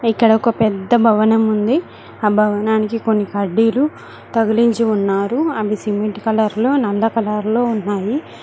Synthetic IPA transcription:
ikːɐɽɐokɐpɛd̪ːɐbʱɐʋɐnɐmund̪i | aːbʱɐʋɐnaːnikiko̞nːikɐɾɖiːlu | t̪ɐɡɐliɲt͡ʃiunːaːɾuɐbisimiʈkɐlɐɾlo̞ːnɐlːɐkɐlaɾlo̞ːunːaːji

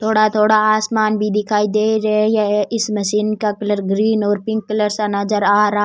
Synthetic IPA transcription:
t̪ʰoːɽat̪ʰoːɽaaːsmaːnbʱid̪ɪkʰaːid̪eːɾɐjeʔɪsmɐʃiːnkakɐləɾɡɾiːnɔːɾpɪ̃ŋkːɐləɾsanɐd͡ʒəɾaːɾaɦ

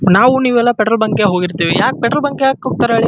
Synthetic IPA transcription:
naːʋuniːʋɛlːɐpɛʈɾɐlbɐŋkeɦoːɡiɾt̪iːʋijaːk̚pɛʈɾɐlbɐŋkeaːkːoːɡ̚t̪aɾeːɭi

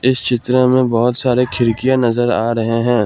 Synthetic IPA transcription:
ɪst͡ʃʰɪt̪ɾemẽbɔɦːʊt̪saːɾekʰɪɾkijanɐzəɾaːɾɐɦeɦɛ̃ː

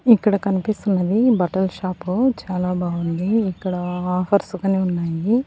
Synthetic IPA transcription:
ikːɐɽɐkɐnipist̪unːɐd̪ibɐʈɐlʃaːput͡ʃaːlaːbʱaːɡund̪iːkːɐɽɐaːpʰɐɾsukɐneːunːaːji

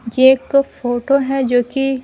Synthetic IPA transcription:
jeeːkfoːʈoɦɛd͡ʒoːki

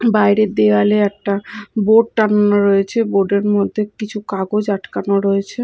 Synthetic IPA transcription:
bajɾed̪ealeɛk̚ʈaboɖ̚ʈananoɾoet͡ɕʰeboɖeɾmod̪ʱːekit͡ɕʰukaɡod͡ʑaʈkanoɾoet͡ɕʰe

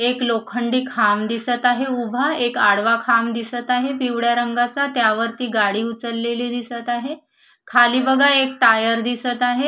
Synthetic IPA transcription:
eklokʰəɳɖiːkʰamd̪isət̪aɦeubʱəekaɽʋakʰamd̪isət̪aɦepiʋɽjaɾəŋɡat͡sat̪jaʋəɾt̪iːɡaɽiːut͡səlːeliːd̪isət̪aɦe | kʰaliːbəɡʱaek̚ʈajəɾd̪isət̪aɦe

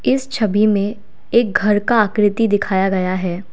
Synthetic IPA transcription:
ɪst͡ʃʰɐbimẽ | eːk̚ɡʱɐɾkaːkɾɪt̪id̪ɪkʰaːjaɡɐjaɦɛː

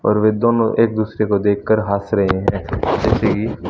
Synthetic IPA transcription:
ɔ̰ːɾʋed̪oːnõ̰ʔeːk̚d̪uːsɾekod̪eːkʰːəɾɦaːsɾɐɦeɦɛ̃d͡ʒɛːseki

